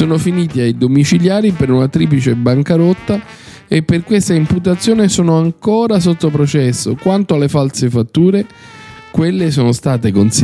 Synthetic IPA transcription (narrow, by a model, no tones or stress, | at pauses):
soːnofiniːt̪iajd̪omit͡ʃiljaːɾipeɾunat̪ɾiːp̬lit͡ʃebaŋkaɾot̪ːa | epːerkwest̪aimput̪̬at̪sːjoːnesoːnoaŋkoːɾas̬ot̪ːop̬ɾot͡ʃɛsːokwant̪oalːefalsefat̪ːuːɾe | kwelːes̬oːnost̪aːt̪ekons